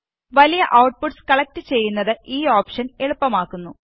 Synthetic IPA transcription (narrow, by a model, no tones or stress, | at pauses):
ʋɐlijɐʔɐwʈ̚puʈskɐɭɐk̚tɨt͡ɕe̞jːunːɐðɨʔiːoːpʂɐne̞ɭupːɐmaːkːunːu